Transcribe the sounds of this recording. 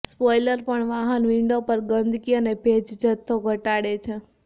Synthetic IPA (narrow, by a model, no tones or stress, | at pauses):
spɔjləɾpəɳʋaɦənʋɪɳɖopəɾɡənd̪ʱkijənebʱed͡ʒd͡ʒət̪ʰːoɡʱəʈaɽet͡ʃʰẽ